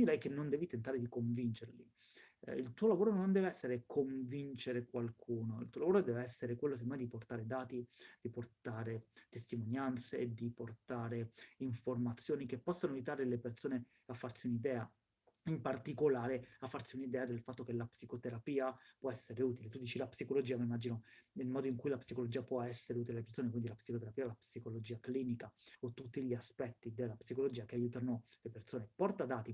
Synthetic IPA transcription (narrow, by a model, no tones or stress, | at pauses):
d̪iɾɛjkenːond̪ɛːvit̪ent̪aɾed̪ikoɱvint͡ʃeɾlḭ | ilt̪uːolavoːɾonond̪ɛːveɛsːeɾekʰoɱvint͡ʃeɾekwalkʰuːnoḭlt̪uːolavoːɾod̪ɛːveɛsːeɾekwelːos̬end̪omɛjd̪iport̪aːɾed̪aːt̪id̪̥iport̪aːɾet̪est̪imonjant̪sed̪iport̪aːɾeiɱformat̪sːjoːnik̟epːɔsːanoajut̪aːɾelepersoːne | afːarsiunid̪ɛːa | impart̪ikolaːɾeafːarsiunid̪ɛːad̪elfat̪ːokelapsikot̪eɾapiːapwɔɛsːeɾeuːt̪ilet̪ud̪iːt͡ʃilapsikolod͡ʒiːamaimad͡ʒinoilmɔːd̪oiŋkujlapsikolod͡ʒiapwɔɛsːeɾeuːt̪ilelepersoːnekwind̪ilapsikot̪̬eɾapiːalapsikolod͡ʒiːakliːnikaot̪ːut̪ːiʎiaspɛt̪ːid̪elːapsikolod͡ʒiːakeajuːt̪anolepersoːnepɔrt̪ad̪aːt̪i